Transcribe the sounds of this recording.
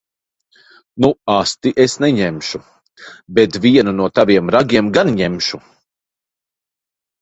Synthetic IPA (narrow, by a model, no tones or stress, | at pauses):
nuast̪iʔesnɛɲemʃu | bɛt̪vʲiɛnunuɔt̪aviɛmɾaɡʲiɛmɡanɲɛmʃu